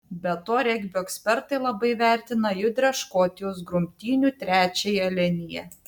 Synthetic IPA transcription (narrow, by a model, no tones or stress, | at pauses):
bʲɛt̪oːɾʲɛɡʲbʲoːɛksʲpʲɛɾt̪ɐɪlˠɐbɐɪʋʲæˑɾʲt̪ʲɪnɐjʊd̪ʲɾʲɛʃkoːt̪ʲɪjoːsɡɾʊmʲt̪ʲiːnʲuːt̪ʲɾʲæːt͡ʃʲejɛlʲɛnʲɪjɛ̰